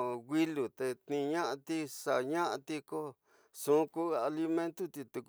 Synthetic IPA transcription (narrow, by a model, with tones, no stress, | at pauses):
ɣi˦lu˨t̪e˧t̪nĩ˧ɲã˦ʔã˧t̪i˦sa˧˨ɲã˦ʔã˧t̪i˧ko˦ | sũ˨˦ku˦˧a˧li˧mẽ˦nt̪u˦t̪i˧t̪u˧k